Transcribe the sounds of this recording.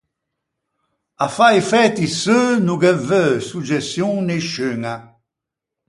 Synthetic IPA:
afajfɛt̪isønuɡɛvøsud͡ʒɛsjũŋneʃyŋa

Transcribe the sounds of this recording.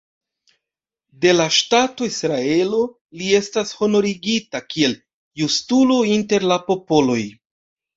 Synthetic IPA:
de̞laʃtato̞isɾae̞lo̞ | lie̞stasho̞no̞ɾiɡitakie̞l | justulointe̞ɾlapo̞po̞lo̞j

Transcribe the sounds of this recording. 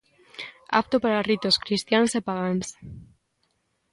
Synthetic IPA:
a̰p̚t̪opaɾarit̪oskɾist̪jansepaɣans

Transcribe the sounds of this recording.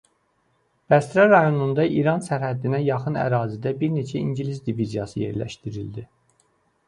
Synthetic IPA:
b̥æst̪ɾɑɾɑjo̞nund̪ɑʔiɾɑnsæɾhæd̪inæjɑχɯnæ̰ɾɑːzid̪æbiɾne̞t͡ʃʰæḭɲɟilisd̪ivizijɑsɯje̞̰ɾlæ̰ʃt̪iɾild̪i

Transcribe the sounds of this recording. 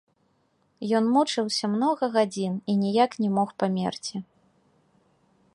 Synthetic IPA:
jɔnmut͡ʂɨwsʲɐmnɔɣɐɣad͡zʲininʲijaknʲɛmɔxpamʲɛ̰rt͡sʲi

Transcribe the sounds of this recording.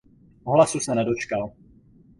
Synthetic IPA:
ɔɦlasusanɛdot͡ʃkal

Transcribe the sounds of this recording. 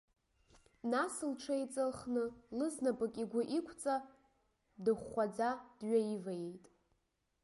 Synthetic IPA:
nasɨlʈ͡ʂʰajt͡sʼɨlχnɨlɨznapʼakʲʼiɡʷaʔikʷʰt͡sʼa | dɨχːʷad͡zad̥ɥaivajejtʼ

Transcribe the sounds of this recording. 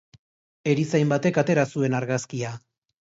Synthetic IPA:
e̞ɾisajmbat̪e̞kat̪e̞ɾasue̞naɾɣaskia

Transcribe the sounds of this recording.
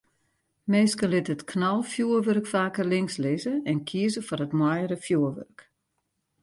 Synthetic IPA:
meːskəlɪtətkʰnɔlˠfjuərʋørkfaːkərlɪŋslɪzəɛnkʰiəzəfɔrətmwɔjəɾəfjuərʋø̰rk

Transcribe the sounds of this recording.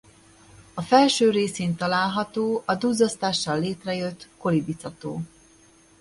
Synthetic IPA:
ɒfɛlʃøːɾeːseːnt̪ɒlaːlɦɒt̪oːʔɒd̪uːzɒst̪aːʃːɒlːeːt̪rɛjø̞t̪ko̞libit̪sɒt̪o̰ː

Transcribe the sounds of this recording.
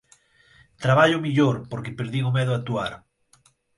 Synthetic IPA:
t̪ɾaβ̞aʎomiʎoɾpoɾkepeɾðiŋomɛðoat̪uaɾ

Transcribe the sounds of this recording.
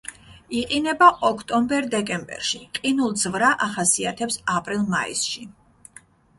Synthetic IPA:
iqʼinɛbaʔɔkʰt̪ʼɔmbɛɾd̪ɛkʼɛmbɛ̰ɾʃiqʼinulˠd̪zvɾaʔaχasiat̪ʰɛpsapʼɾilˠma̰ḭsʃi

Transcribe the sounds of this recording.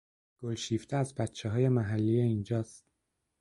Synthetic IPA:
ɡ̥olʃiːft̪ʰeæzbæt̪t͡ʃʰːeɦɒːje̞mæɦælːijeind͡ʒɒːst̪̚

